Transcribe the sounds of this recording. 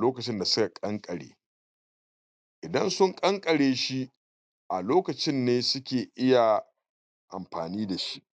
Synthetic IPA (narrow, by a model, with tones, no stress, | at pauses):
loː˦kɐ˨t͡ʃɪ˦nda˨sʊ˦ka˨kʼɐ˦ŋkʼɐ˨ɽḛː˨ | ʔɪ˨dɐ˦nsʊ˦ŋkʼɐ˦ŋkʼɐ˨ɽeː˨ʃi˦ | ʔa˨loː˦kɐ˨t͡ʃɪ˦nːeː˦sʊ˦kʲeː˨ʔɪ˦ja˨ | ʔa̰˨mɸaː˨niː˦da˨ʃi̥˦ʔ